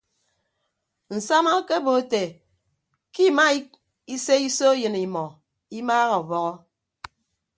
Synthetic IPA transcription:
n̩˨sa˦ma˦ke˦bo˨˦te˨ | ki˦˨ma˦i˦ | i˦se˦i˦so˦jɨ˨ni˨mɔ˨ | i˦maː˦ɣa˨o˨bɔ˦ɣɔ˦

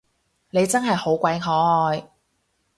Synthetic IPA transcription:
ne˨˧jt͡sɐ˥nɦɐ˨jho˨˥wkʷɐ˨˧˥jɦɔː˨˥˧j

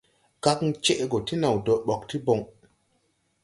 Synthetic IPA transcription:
ɡa˦kŋ˦t͡ʃe˦ʔɡo˨ti˦na˨wdo˨ɓɔ˨kti˦bo˨ŋ

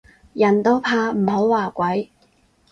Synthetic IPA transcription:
jɐ˨˩nt̪o˥pʰaː˧m̩˨˩ho˨˥wwaː˨˩kʷɐ˨˥j

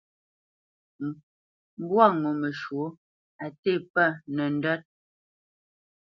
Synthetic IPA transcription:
m˦bwa˦˨ŋɔ˨mə˨ʃwo˨˦ | a˨te˦˨pə˦˨nɛ˨n˦də˦t̚

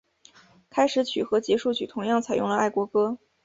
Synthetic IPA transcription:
kʰa˥ɪʂɻ̩˧˥t͡ɕʰy˨˩xɤ˧˥t͡ɕjɛ˧˥ʂu˥˩t͡ɕʰy̰˨˩t̪ʰʊ˧˥ŋjɑ˥˩ŋt͡sʰa˨˩ɪjʊ˥˩ŋlə˧a˥˩ɪkwɔ˧˥kɤ˥

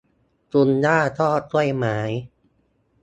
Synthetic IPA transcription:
t͡ɕu˧ndaː˥˩t̪ʰɔː˥˩t̪̚t͡ɕu˥˩əjmaː˩˦j

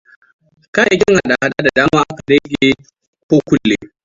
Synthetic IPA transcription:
ka˦ja˨kʲɪ˦ŋha˨ɗa˨ha˦ɗa˦da˨daː˦maː˦ʔa˦ka˨dɐ˦ɡʲe˦ | koː˦kʷʊ˦lːeː˨˦

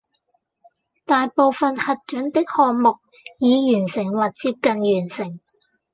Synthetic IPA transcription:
t̪aː˨jpo˨wfɐ˨nhɐ˨t̚t͡ʃɵ˨˥nt̪ɪ˥k̚hɔː˨ŋmʊ˨k̚ | jiː˨˧jyː˨˩nsɪ˨˩ŋwɐ˨t̚t͡siː˧p̚kɐ˨njyː˨˩nsɪ˨˩ŋ

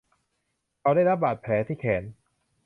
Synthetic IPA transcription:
ʔa˧wdaː˥˩jɾa˦˥p̚baː˨˩t̪̚pʰlɛː˩˦t̪ʰiː˥˩kʰɛː˩˦n

